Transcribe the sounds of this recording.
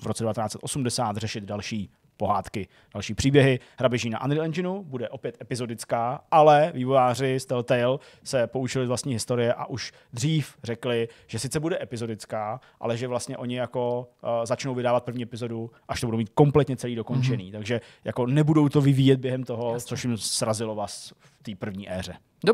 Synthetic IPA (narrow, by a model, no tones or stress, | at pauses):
vɾot͡sɛdɛvat̪ɛnaːt͡sɛt̪ʔo̞sumdɛsaːt̪rɛʃɪd̪dalʃiː | po̞ɦaːt̪kɪ | d̥alʃiːpr̥iːbjɛɦɪ | hɾabɪʒiːna̰ʔa̰nd̪ɾɪlɛnd͡ʒɪnubudɛʔo̞pjɛt̪ʔɛpɪzo̞dɪt͡skaːʔalɛviːvojaːr̝ɪst̪ɛlt̪ɛjl | sɛpo̞ut͡ʃɪlɪzvlast̪ɲiːɦɪst̪o̞ɾɪjɛʔa̰ʔuʃ | d̪r̝iːfrɛklɪʒ̥ɛsɪt͡sɛbudɛʔɛpɪzo̞dɪt͡skaːʔa̰lɛʒɛvlast̪ɲɛʔo̞ɲɪjako̞zat͡ʃnowvɪdaːvat̪̚pr̩vɲiːɛpɪzo̞duʔaʃt̪obudowmiːt̪̚ko̞mplɛt̪ɲɛt͡sɛliːdo̞ko̞nt͡ʃɛnḭːt̪aɡʒɛjako̞nɛbudowt̪ovɪvijɛd̪̚bjɛɦɛmt̪o̞ɦo̞t͡soʃɪmsɾazɪlovaːs | ft̪iːpr̩vɲiːʔɛːrɛ